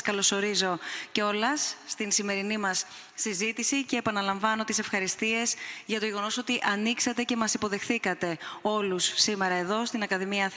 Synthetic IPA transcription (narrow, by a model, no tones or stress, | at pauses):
kɐlo̞so̞ɾizo̞ceo̞lɐsːt̪insime̞ɾinimɐsː | izit̪isice̞ːpɐnɐlɐɱvɐno̞t̪ise̞fxɐɾist̪ie̞zʝɐt̪o̞ʝe̞ɣo̞no̞so̞t̪iʔɐniksɐt̪e̞ce̞mɐsipo̞ðe̞xθikɐt̪e̞o̞lusːime̞ɾɐe̞ðo̞st̪inɐkɐðimiɐθ